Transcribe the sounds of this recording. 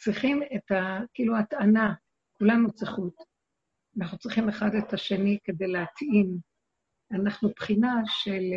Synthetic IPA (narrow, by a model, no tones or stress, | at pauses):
t͡sʁiχimetakiiːluatana | kulanut͡sʁiχut | anaχnut͡sʁiχime̞χade̞taʃe̞nike̞dejleatim | anaχnupχinaʃel